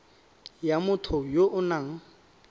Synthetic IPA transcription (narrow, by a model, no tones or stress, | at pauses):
jamʊtʰʊjoʔʊnaŋ̩